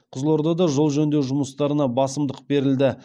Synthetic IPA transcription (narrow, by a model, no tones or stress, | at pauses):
qʰʊzlˠɑɾd̪ɑd̪ɑʒolˠʒɵnd̪ewʒʊməst̪ɑɾənɑbɑsəmd̪əq̚be̞ɾɪld̪ɪ